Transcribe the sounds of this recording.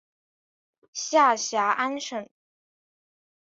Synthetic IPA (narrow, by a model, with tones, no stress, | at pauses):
ɕja˥˩ɕja˧˥ʔa˥nʂə˥˩n